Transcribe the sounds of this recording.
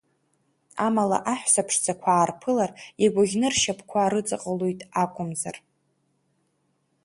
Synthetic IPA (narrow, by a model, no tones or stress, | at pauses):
amala̰ʔaħʷᶣsapʰʂd͡zʰʼakʷʰaːrpʰɨlariɡʷaɣʲnɨrʃapʰkʷʰaːɾɨt͡sʼaqʼəlojtʼakʷʼʊmzar